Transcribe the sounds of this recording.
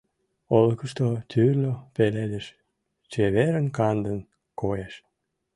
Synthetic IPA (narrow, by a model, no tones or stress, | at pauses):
olkəʃt̪ot̪ʰyrlʲopeled̪eʃ | t͡ɕeβeɾənkɑnd̪ən | kojeʃ